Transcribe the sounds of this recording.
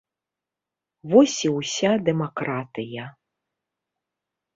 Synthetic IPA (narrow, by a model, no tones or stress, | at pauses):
vɔsʲiwsʲad̪ɛmakɾat̪ɨjɐ